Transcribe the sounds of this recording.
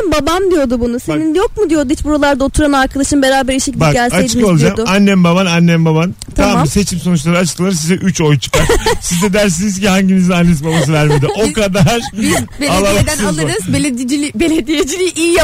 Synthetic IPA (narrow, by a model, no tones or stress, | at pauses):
mbabamd̪ijo̞d̪ubunuseninjo̞k̚mud̪ijo̞d̪uhit͡ʃbuɾalˠaɾd̪aot̪ʰuɾanaɾkʰad̪aʃɯmbe̞ɾaːbæɾiʃecilʲb̪ʲakɟælʲsaej̪ʰɯkolˠad͡ʒamd̪ʊanːɛmbaβananːɛmbaban | t̪ʰamse̞t͡ʃʰimso̞nut͡ʃ̬lˠaɾɯat͡ʃt̪ʰɯlˠaɾsizɛʔyt͡ʃo̞jt͡ʃʰɯ̥kaɾsizd̪ɛd̪æɾs̬inizcihaɲɟimizinanːes̬ibabas̬ɯvæɾme̞d̪iʔo̞kad̪aɾbealˠad̪æalˠɯɾzbelʲeilʲibelʲed̪ijed͡ʒilʲiʔijja